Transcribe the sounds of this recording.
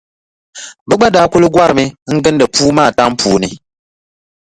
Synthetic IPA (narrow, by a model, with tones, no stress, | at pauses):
bɨ˦ɡ͡ba˦da˦ku˦lɨ˦ɡwa˦ɾmi˦ŋ̩˦ɡɨ˦n˦də˨puː˦maː˦˨ta˦m˦puː˨ni˨